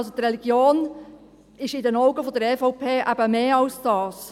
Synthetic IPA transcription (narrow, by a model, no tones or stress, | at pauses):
lsot̪ɾɛliɡ̥joːn | ɪʃɪdɛnɔʊɡəfodəɾɛfoʊpʰeːʔæ̰bəmeːɑlsd̥ɑːs